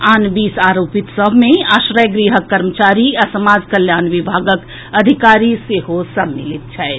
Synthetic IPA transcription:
aːnbiːsaːɾoːpit̪səbʱmẽaːʃɾəjɡɾiɦəkːɐɾmət͡ʃaːɾiɐsəmaːd͡ʒkəljaːnʋibʱaːɡək | ɐd̪ʱikaːɾiseɦosɐbmːilit̪̚t͡ʃʰɛː

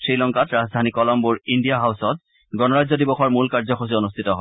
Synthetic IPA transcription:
sɹilɔŋkatɹazdʱanikɔlɔmbuɹindijaɦawsɔt̚ | ɡɔnɔɹazɔdibɔxɔɹmulkaɹzɔxʰos̬ionustʰitɔɦɔ

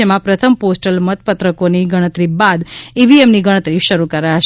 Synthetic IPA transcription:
emãpɾət̪ʰəmposʈəlmət̪̚pət̪ɾəkoniɡəɽ̃ət̪ɾibad̪iʋiemniɡəɽ̃ət̪ɾiʃəɾukəɾaʃ

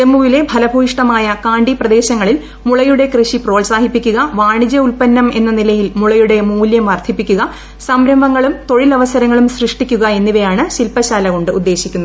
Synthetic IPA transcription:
temːuʋile̞bʱɐlɐbʱuːiʂʈɐmaːjɐkaːɳɖiprɐd̪e̞ːɕɐŋːɐɭil | muɭɐjuɽe̞krɨɕipro̞ːlsaːɦipːikʲːuɣɐʋaːɳid͡ʑɐulpɐnːɐme̞nːɐnilɐjilmuɭɐjuɽe̞muːljɐmʋɐrt̪ʰipːikʲːuɣɐ | sɐmɾɐmbɐŋːɐɭumt̪o̞ɻilɐʋɐsɐɾɐŋːɐɭumsrɨʂʈikʲːuɣɐe̞nːiʋɐjaːɳɨɕilpɐɕaːlɐɣo̞ɳɖɨud̪ːe̞ːɕikʲːunːɐð

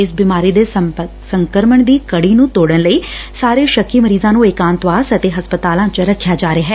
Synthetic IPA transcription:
ɪsbiːmaːɾiːd̪eː | səŋkəɾməɳd̪iːkəɽiːnũːt̪oːɽənləiːsaːɾeːʃəkʰːiːməɾiːzãːnũːɪkãːnt̪ʋaːsət̪eːɦəspət̪aːlãːt͡ʃɾəkʰːjaːd͡ʒaːɾeaːɦɛː

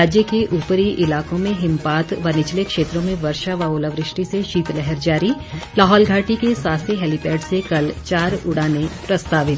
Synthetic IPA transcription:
aːd͡ʒjəkeʔuːpəɾiʔɪlaːkõmẽɦɪ̃mpaːt̪ʋɐnɪt͡ʃlekʃeːt̪ɾõmẽʋɐɾʃaʋaːʊləʋɾɪʃʈiseʃiːt̪lɛɦɛɾd͡ʒaːɾilaːɦɔːlɡʱaːʈikesaːseɦɛːlɪpɛːɖsekɐlt͡ʃaːɾʊɽaːnepɾɐst̪aːʋɪt̪ʰ

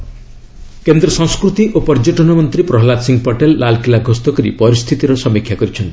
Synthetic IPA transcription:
kend̪ɾɔsɔ̃ŋskɾut̪iʔopɔɾd͡ʒɔʈɔnɔmɔnt̪ɾipɾɔɦlad̪siŋɡpɔʈelːalkilaɡʱost̪ɔkɔɾḭpɔɾist̪ʰit̪iɾɔsɔmikʰːjakɔɾit͡ʃʰɔnt̪i̥

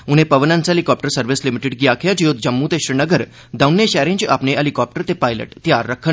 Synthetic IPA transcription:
uñepəʋənãnt͡selikɔp̚ʈəɾsəɾʋislimiʈeɖɡijakʰjad͡ʑiot̪̚d͡ʑəmːut̪eɕɾinəɡəɾ | d̪awnːeɕɛɾẽɲt͡ɕeʔapneʔəlikɔp̚ʈəɾt̪epajlə̰ʈt̪jaɾːəkʰːəɳ

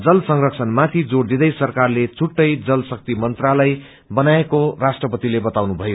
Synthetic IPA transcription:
d͡zʌlsʌŋrʌksʰʌnmat̪ʰid͡zord̪id̪ʌjsʌrkarlet͡sʰuʈːʌjd͡zʌlsʌk̚t̪imʌnt̪ralaj | bʌnaekorasʈrʌpʌt̪ilebʌt̪awnubʱʌjo

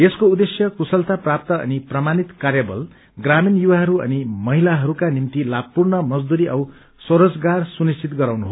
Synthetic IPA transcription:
eskoud̪esjʌkusʌlt̪aprapt̪ʌʌ̰niprʌmanit̪karjabʌ̰l | ɡraminjuwaɦʌɾuʌ̰nimʌɦilaɦʌɾukanimt̪ilaɡʌpurnʌmʌd͡zd̪uɾiʔʌw | soɾʌd͡zɡarsunist͡ʃit̪ɡʌɾawnuɦo

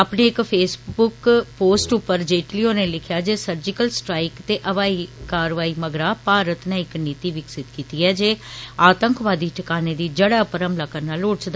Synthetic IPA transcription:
apneːɪkpʰeːsbʊkpoːsʈʊpːəɾd͡ʒeːʈlioːneːlɪkʰjaːd͡ʒeːsəɾd͡ʒɪkəlsʈɾaːɪkt̪eːʔəʋaːiːkaːɾʋaːiːməɡɾaːpaːɾət̪nãːɪkniːt̪iːʋɪksɪt̪kiːt̪iːɛːd͡ʒeːaːt̪əŋkʋaːd̪iːʈəkaːneːd̪iːd͡ʒəɽaːpəɾəmplaːkəɾnaːloːɽt͡ʃd̪

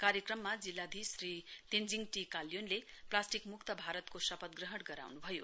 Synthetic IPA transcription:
kaɾjʌkrʌmːad͡zilːad̪ʱisrit̪end͡ziŋʈikaljonleplasʈikmukt̪ʌbʱaɾʌt̪kosʌpʌt̪̚ɡrʌɦʌɽɡʌɾa̰wnubʱʌjo

